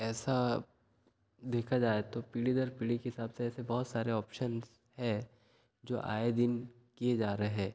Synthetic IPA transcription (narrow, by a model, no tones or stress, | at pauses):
ɛːsa | d̪eːkʰad͡ʒaːet̪opiːɽid̪əɾpiːɽikeɦɪsaːbseɛːsebɔɦʊt̪saːɾeɔːpʃənz | ɦɛ | d͡ʒo̰ːʔa̰ːed̪ɪn | kied͡ʒaːɾəɦɛ̃ː